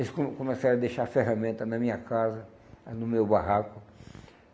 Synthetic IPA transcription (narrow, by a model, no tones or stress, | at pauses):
eskokõmesaɾ̃ɐd̪ejʃaɾfeɦamẽnt̪ɐnɐmĩɲɐkʰazɐ | nʊmewbaɦakʊ